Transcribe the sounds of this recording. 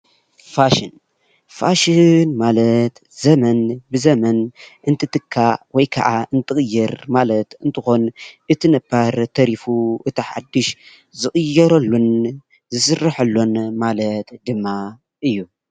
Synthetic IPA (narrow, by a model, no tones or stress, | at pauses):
faʃin | faʃinmalɐt̪ | zɐmɐnbɨzɐmɐnʔɨnt̪ʰɨt̪ɨkʰːawɔjkʰɐ̰ʕaɨnt̪ʰɨxʼɨjːɐɾmalɐt̪ɨnt̪ʰɨxo̞nʔɨt̪ʰinɐbaɾt̪ʰɐɾifuʔɨt̪ʰiħa̰d̪ːɨʃ | zɨxʼɨjːɐɾɐlːon | zɨsɨrːaħɐlːonmalɐt̪d̪ɨmːa | ʔɨjːu